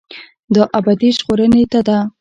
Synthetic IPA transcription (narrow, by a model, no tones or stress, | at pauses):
d̪əʔabad̪iʒɣoɾənet̪ad̪a